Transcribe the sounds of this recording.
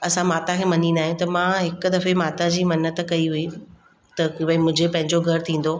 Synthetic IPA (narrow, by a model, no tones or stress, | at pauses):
ɐsãmaːt̪akʰeːmɐnĩnaːɦijũt̪ɐmãɦɪkʊ̆d̪ɐfemaːt̪ad͡ʑiːmɐnət̪kɐiɦʊi | t̪ɐkibaimʊ̃ɦɪ̃d͡ʑepɐ̃ɦɪ̃ɲd͡ʑoɡʱɐɾt̪ʰĩːn̆d̪o